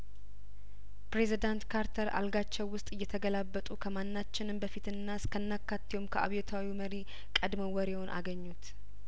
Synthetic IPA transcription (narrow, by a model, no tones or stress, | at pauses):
pɾezid̪ant̪kʰaɾt̪ʰəɾʔa̰lɡat͡ʃːɛwːʊst̪ʼɨjːɛt̪ʰəɡəlabːət̪ʼukʰəmanːat͡ʃːɪnɨmbəfit̪ɨnːaskʰənːakːat̪ːiwomkʰəʔa̰βjɛt̪ʰawiməɾi | kʼəd̪məwɔɾewonʔa̰ɡəɲːut̪